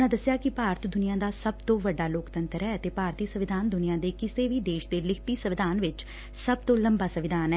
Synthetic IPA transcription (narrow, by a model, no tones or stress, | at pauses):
nãːd̪əsːjaːkɪpaːɾt̪d̪ʊnɪjãːd̪aːsəb̚t̪õːʋəɖːaːloːkt̪ənt̪əɾɦɛːət̪eːpaːɾt̪iːsəʋɪd̪ʱaːnd̪ʊnɪjãːd̪eːkɪseːʋiːd̪eːʃd̪eːlɪkʰt̪iːsəʋɪd̪ʱaːnʋɪt͡ʃ | səb̚t̪õːləmbaːsəʋɪd̪aːnɛː